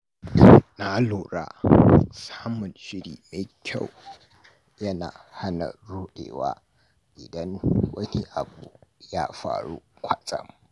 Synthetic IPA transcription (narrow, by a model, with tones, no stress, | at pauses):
na˦loː˨ɾa̰ː˦saː˦mʊ˨nʃɪ˦ɽiː˨me˨kʲʰa˦˨w | jɐ˦na̰ː˨ha˦nɐ̰˨ɽuː˦ɗḛː˨wa̰ː˦ | ʔɪ˨dɐ˦ŋwɐ˦ni˦ʔa˨bu˨jaː˦ɸa̰ː˨ɽṵ˦kʷɐ˨t͡sʼɐ̰˦m